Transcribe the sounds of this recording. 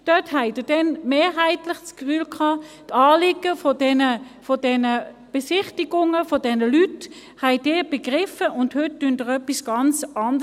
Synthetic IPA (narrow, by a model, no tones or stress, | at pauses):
d̥œthɛɪd̥əd̥ɛnmeːɦæɪtlɪχt͡skfyːlkʰɑːtɑːlɪɡ̥əfɔdɛnəfɔd̥ɛnə | b̥esɪχtiɡ̥ʊŋəfɔdɛnəlyt | hæɪd̥ɪːb̥eɡ̥ʁɪfəʔʊndhøt̚d̥øndəʁœpisɡ̥ɑnt͡sɑnd̥ə